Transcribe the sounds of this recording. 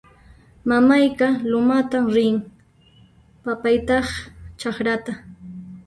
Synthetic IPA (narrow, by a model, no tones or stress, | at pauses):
mamajkalʊmat̪amɾɪŋ | papajt̪ɑχt͡ʃakɾat̪a